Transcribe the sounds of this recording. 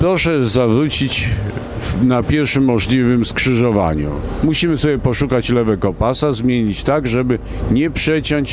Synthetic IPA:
pɾɔʂɛzavɾut͡ɕit͡ɕ | napʲjɛɾfʂɘmːɔʐlʲivɘmskʂɘʐɔva̰ɲṵmuɕimɘsɔbʲjɛpɔʂukat͡ɕlɛvɛkɔpasazmʲjeɲit͡ɕt̪aɡʐɛbɘ | ɲɛpʂɛt͡ɕɔɲt͡ɕ

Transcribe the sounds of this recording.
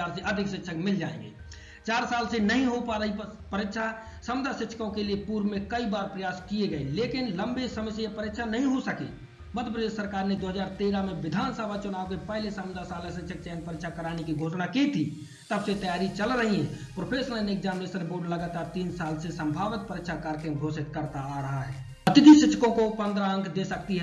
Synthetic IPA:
aɾseəd̪ʱiksitːʃʰəkmild͡ʒaḛ̃ŋɡḛ | t͡ʃaɾsalsẽnəɦĩɦopaɾəɦi | pəɾitʃʰa | səmd̪ʱasitːʃʰə̥kõkelepuɾmekəibaɾpɾəjaskijeɡəilekinləmbesəməjsejepəɾit̪t͡ʃʰanəɦĩɦosəkḛ | bəd̪əpɾəd̪esəɾkaɾned̪oɦəd͡ʒaːɾt̪eɾameʋɪd̪ʱansəbʱat͡ʃʊnaʋkepəɦlesəmd̪ʱasalesɪtːʃʰək̚t͡ʃɛnpəɾɪkʃʰakəɾanekiɡʱosnaket̪ʰi | t̪əbset̪əjaɾit͡ʃəlɾəɦiɦɛ̃pɾopʰesəɾənekd͡ʒaːnʋesəɾboɾɖləɡət̪aɾt̪iːnsalsẽsəmbʱaʋɪt̪̚pəɾɪkʃʰakəɾkeɡʱosɪt̪kəɾt̪aːɾəɦaɦɛ | ət̪id̪isɪt͡ʃʃʰəkõkopənd̪ɾaə̃ŋkʰd̪esəkt̪iɦɛ

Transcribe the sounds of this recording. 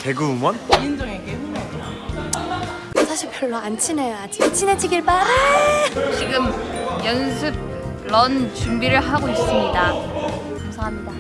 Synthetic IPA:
te̞ɡuːmʌnind͡ʑʌŋeɡe | ʌsʰaɕʰiɭpjʌɭːoant͡ɕʰinejoad͡ʑit͡ɕʰined͡ʑiɡiɭpaɾɯ | t͡ɕiɡɯmjʌnsʰɯɡ̚ː | ʌnt͡ɕumbiɾɯɭɦaɡois͈ɯmɲida | kamsʰaɦamɲida

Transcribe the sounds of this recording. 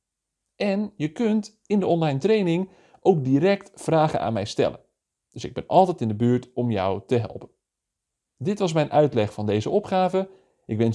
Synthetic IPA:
ʔɛnjəkønt | ɪndəɔnlajntrejnɪŋ | ʔowk̚dirɛktfraːɣə̰nʔa̰ːnmɛjstɛ̰lə̰n | d̥øsɪ̰ɡ̚bɪnɑlˠtɛjtɪndəbyːɹtɔmjɔ̰wtəɦɛ̰lˠpən | dɪtʋɑs̬mɛjnʔœɥtlɛxfɑndejzəɔpχaːvə | ʔɪkʋɛn

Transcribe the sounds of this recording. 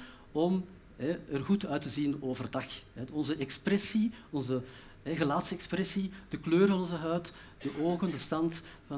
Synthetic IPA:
ɔm | ɦɛərɣutœːɥtəzinoːvərdɑxɛɔnzəʔɛksprɛsiɔnzə | ɦɛɣəlaːtsəɛksprɛsid̥əkløːrvɑnɔnzəɦœːt | d̥əʔoːɣəndəstɑntvɑ

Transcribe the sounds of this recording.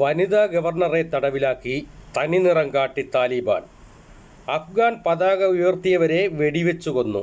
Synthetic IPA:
ʋɐniðaːɡɐʋɐrɳɐre̞t̪ɐɽɐʋilaːkːit̪ɐninirɐŋkaːʈːit̪aːliba̰ːɳ | ɐfɡaːnpɐðaːɣɐujort̪ijɐʋɐɾe̞ʋe̞ɽiʋet͡ɕːuɣo̞nːṵ

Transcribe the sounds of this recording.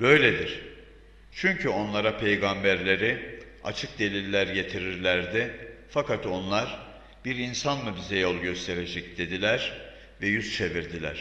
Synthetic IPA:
bø̞jlʲed̪iɾ̥ | t͡ʃʰyɲcʰyo̞nlˠaɾapʰe̞jɡambæɾlʲe̞ɾi | a̰t͡ʃʰɯk̚d̪e̞lʲilʲːæɾje̞t̪ʰiɾiɾlʲæɾd̪ɪfakat̪o̞nlˠaɾ | biɾinsanmɯbizɛjo̞lˠɟø̞st̪ʰe̞ɾed͡ʒɛcd̪e̞d̪ilʲæɾ | vɛjyzt͡ʃʰe̞viɾd̪ilʲæ̰ɾ̥

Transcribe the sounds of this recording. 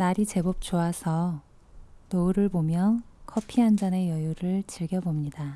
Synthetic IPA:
naɾit͡ɕe̞bop̚t͡ɕ͈oasʰʌ | nʌuɾɯɭbomjʌnkʰʌpʰiɦand͡ʑane̞jʌjuɾɯɭt͡ɕiɭɡjʌbomɲida

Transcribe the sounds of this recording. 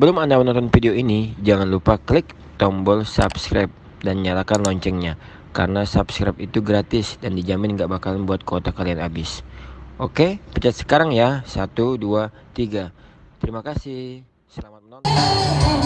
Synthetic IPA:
bəlʊmandamənɔnt̪ɔnfideoinid͡ʒaŋanlupaklɪk̚ | t̪ɔmbɔlsa̰bskɾap̚ | danɲalakanlɔɲt͡ʃɛŋɲa | ka̰ɾənasabskɾa̰pit̪uɡɾat̪ɪsdandid͡ʒamɪnŋɡaʔbakalanbuat̪̚kot̪akalianabɪsʔokepət͡ʃat̪sə̥kaɾaŋjasat̪uduat̪iɡat̪əɾimakasɪ | səlamat̪̚mənɔn

